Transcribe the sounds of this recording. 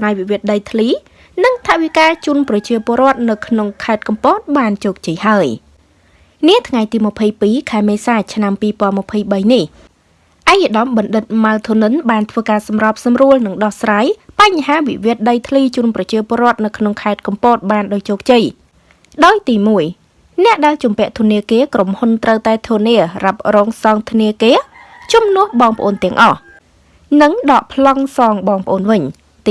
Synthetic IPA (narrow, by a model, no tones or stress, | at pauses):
sraːjʋiʋiət̪̚ɗəjt̪ʰliː | nɨŋt̪ʰaʔʋikaːt͡ɕuənprɑt͡ɕiəpŏəɾŏət̪̚nɨwkʰnoŋkʰaɛt̪̚kɑmpoːt̪̚ɓaːnt͡ɕɔːk̚t͡ɕəjhaəj | niət̪ʰŋajt̪iːmə̆pʰəjpiːkʰaɛmeːsaːt͡ɕʰnampiːpŏənməpʰəjɓəjnih | ʔaɛkəɗɑmɓɑnɗɨt̪̚mawt̪ʰunɨnɓaːnt̪ʰʋəːkaːsɑmrɑp̚sɑmruəlnɨŋɗɑhsraːjpaɲɦaːʋiʋiət̪̚ɗəjt̪ʰliːt͡ɕuːnprɑt͡ɕiəpŏəɾŏət̪̚nɨwkʰnoŋkʰaɛt̪̚kɑmpoːt̪̚ɓaːnɗaːct͡ɕoːk̚t͡ɕəj | ɗaɔjt̪iːmuəj | nɛ̆əʔɗaɛlt͡ɕumpɛ̆əʔt̪ʰuəniəkiəkromhunt̪rəwt̪aɛt̪ʰuəniərap̚rɔːŋsɑːŋt̪ʰniəkeːə | t͡ɕumnʊ̆əhɓɑːŋpə̆ʔoːnt̪ɛ̆əŋʔɑh | nɨŋɗɑːʔpʰlɑŋsɑːŋɓɑːŋpʰə̆ʔoːnʋɨɲ